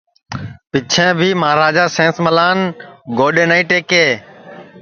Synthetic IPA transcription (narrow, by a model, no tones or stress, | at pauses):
pɪt͡ʃʰẽːbʱiːmaːɾaːd͡ʒaːsẽːsməlaːnɡoːɗẽːnaĩːʈeːkeː